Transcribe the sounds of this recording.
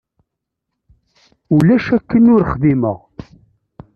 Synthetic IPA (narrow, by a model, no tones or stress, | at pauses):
ulæʃækːənʊɾχðimə̰ʁ